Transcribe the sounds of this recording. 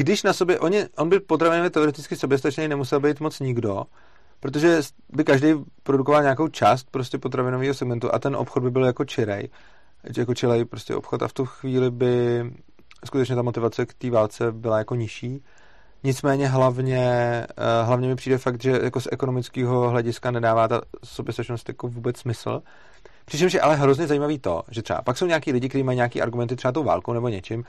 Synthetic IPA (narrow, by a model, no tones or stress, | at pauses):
ɡdɪʃnaso̞bjɛʔo̞ɲɪʔo̞nbɪpot̪ɾavɪnovjɛt̪ɛoɾɛt̪ɪt͡skɪsobjɛst̪at͡ʃnɛjnɛmusɛlbɛjt̪mo̞t͡sɲɪɡdo̞ | pɾot̪̬oʒɛs | bɪkaʒdɛjpɾodukovalɲaːkowt͡ʃaːst̪̚pɾo̞scɛpot̪ɾavɪnoviːɦosɛɡmɛnt̪uʔa̰t̪ɛnʔo̰pxod̪bɪbɪljako̞t͡ʃɪɾɛ̰j | jako̞t͡ʃɛlɛjpɾo̞scʲɛ̰ʔo̞̰pxo̞t̪a̰ft̪uxviːlɪbɪ | skut̪ɛt͡ʃɲɛt̪amo̞t̪ɪvat͡sɛkt̪iːvaːlt͡sɛbɪlajako̞ɲɪʃiː | ɲɪt͡smɛːɲɛɦlavɲɛ | ɦlavɲɛmɪpr̥iːdɛfakt̪ʒɛjako̞sʔɛko̞no̞mɪt͡skiːɦo̞ɦlɛɟɪskanɛdaːvaːt̪asobjɛst̪ɛʃnost̪jakovuːbɛt͡ssmɪsl̩ | pr̥ɪt͡ʃɛmʃ̬jɛʔalɛɦɾo̞zɲɛzajiːmaviːt̪o̞̰ʒɛt̪r̥ɛa̰paksowɲeaːkiːlɪɟɪkt̪ɛɾiːmajɲeakḭːʔaɾɡumɛnt̪ɪt̪r̥ɛat̪̬owva̰ːlkownɛbo̞ɲɛt͡ʃɪm